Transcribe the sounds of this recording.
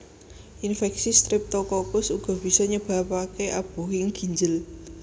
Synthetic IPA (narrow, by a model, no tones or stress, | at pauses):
ʔinfɛksist̪ɾɪp̚t̪ɔkɔkʊsuɡ̥ɔ̤b̥i̤sɔɲəb̥a̤pakeʔab̥ṳɦɪŋɡ̥i̤ɲd͡ʒəl